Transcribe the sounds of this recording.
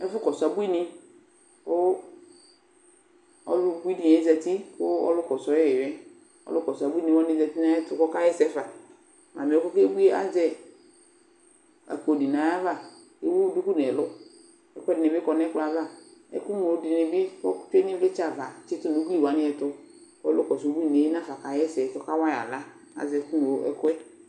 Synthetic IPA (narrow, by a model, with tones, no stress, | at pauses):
ɛ˦fʊ˦kɔ˨sa˨bu˦i˦ni˦ | kʊ˦ | ɔ̰˦lbu˦i˦di˨ɛ˨˦za˨ti˦kʊ˦ɔ̰˦lʊ˦kɔ˨sɔ˨˦jɛ˦ɛ˨jɛ˦ | ɔ̰˦lʊ˦kɔ˨sa˨bu˦i˦ne˨wa˦nɪ˦za˨ti˦na˦jɛ˦tʊ˨kɔ˦ka˦jɛ˦sɛ˦fa˨ | ma̰˨me˨ɔ˨˦kɔ˦ke˦bu˦e˦a̰˦zɛ˦ | a̰˨ko˨di˨nã˨ja˦va˦˨ | e˦wu˦du˦ku˦nɛ˨lʊ˦ | ɛ˦kʷɛ˦dɪ˨nɛ˨bɪ˦kɔ˨nɛ˦kla˨va˦˨ɛ̰˦ku˦no˨o˨˦dɪ˨ne˨be˦kɔ˦fɛ˦ɲĩ˦vle˦t͡ʃa˦˨va˨t͡ʃɪ˦tʊ˦˨nu˨˦ɡli˦˨wa˨˦nɪ˦ɛ˨tʊ˦ | ɔ˦lʊ˦kɔ˨s̬o˨˦bu˦i˦˨ne˨e˦nã˦fa˨ka˨jɛ˦sɛ˨tɔ˦ka˦wa˦ja̰˨la˦ | a̰˨zɛ˨˦ku˦no˨˦ɛ̰˦kwɛ˦